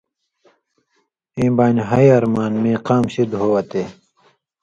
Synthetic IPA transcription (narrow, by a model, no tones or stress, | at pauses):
ẽːbaːnɦɐjɐɾmaːnmẽːqaːmɕid̪ɦoːwɐt̪eː